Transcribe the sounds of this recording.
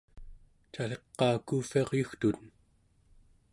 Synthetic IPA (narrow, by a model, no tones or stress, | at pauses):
t͡ʃaleqːɑːkuːfiɑʁjuxt̪un